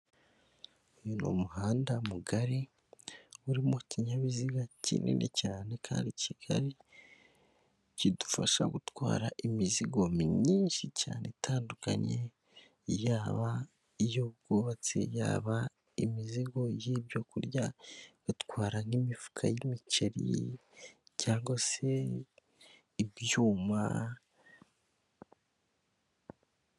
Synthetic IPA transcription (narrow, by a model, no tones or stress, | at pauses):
ojuno̰muhaːndamuɡaɾi | uɾimociɲaβiziɡacḭnʔḭnʔḛcaːne̞kʰa̰ːndiciɡ̥a̰ɾi | cidu̥faʃa̰ɡutwa̰ːɾaʔimiziɡo̞miɲiːnʃica̰ːne̞tʰaːnduka̰ɲe̞ | jaːβa | ijoɡoβat͡sḛja̰ːβa | imiziɡo̞jibjokuɾɟaβatkwaːɾaŋimifu̥kʰa̰jimiceɾḭ | caːŋɡwase | ibjuːma̰